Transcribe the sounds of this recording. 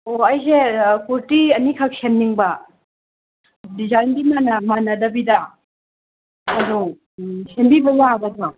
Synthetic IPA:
oɐjsekuɾtiɐnikʰɐk̚semniŋbɐ | dizajndimanɐmanɐdɐbidɐ | ɐdu | sembibɐzaaɡɐda

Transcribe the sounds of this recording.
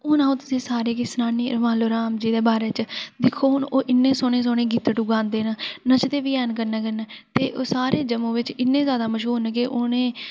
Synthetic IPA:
oːnãːũːt̪ʊsĩːsaːɾeːkɪsnaːniːɾəmaːloːɾaːmd͡ʒiːd̪eːbaːɾeːt͡ʃd̪ɪkʰːoːʊnoːʔɪnːeːsoːnẽːs̬oːnẽːɡit̪ʈuɡãːnd̪eːnanət͡ʃt̪eːʋiːɛːnkəɾnɛːkəɾnɛːt̪eːʔoːsaːɾeːd͡ʒəmõːʋɪt͡ʃɪnːẽːzjaːd̪aːməʃɦuːɾnkɪʔonẽː

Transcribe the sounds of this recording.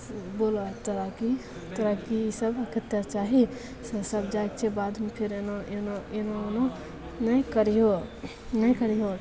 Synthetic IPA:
bolot̪əɾaki | t̪əɾakiisəbkʰət̪jat͡ʃaːɦi | ssəbd͡ʒaekt͡ʃʰebad̪mepʰeɾenoenoenono | nəĩkəɾiɦo | nəjkəɾiɦo

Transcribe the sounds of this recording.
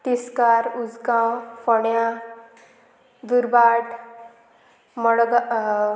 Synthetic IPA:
t̪iskaɾud͡zɡãwfɔɳjã | d̪uɾbaɖ | mɔɽɡa

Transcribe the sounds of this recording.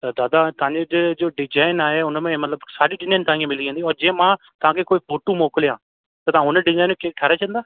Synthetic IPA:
t̪ad̪aːd̪aːt̪ãːɲd͡ʒed͡ʒed͡ʒoːɖɪd͡ʒaːɪnaːɛːʊnãːmɛ̃ːmət̪ləbsaːɖiːɖɪd͡ʒaːnt̪aːẽːmɪliːd͡ʒãːnd̪iːɔːɾd͡ʒẽːmãː | t̪ãːkɪkoːiːpoːʈuːmoːkljãː | t̪eːt̪ãːɦʊnẽɖɪd͡ʒaːɪnːuːkekʰəɾaːt͡ʃə̃nd̪aː

